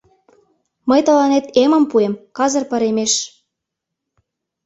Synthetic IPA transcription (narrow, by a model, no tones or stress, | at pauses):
məjt̪ɤ̆lɑnet̪emə̆mpuemkɑzɤ̆rpə̆ɾemeʃ